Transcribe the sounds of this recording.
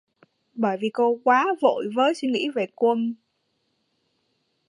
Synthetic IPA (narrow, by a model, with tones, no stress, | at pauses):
ɓəː˧˩jvi˨˩ko˧kwaː˨˦vo̰˧˨jvəː˨˦jswi˧ŋḭ˧˥ve˨˩kwə˧n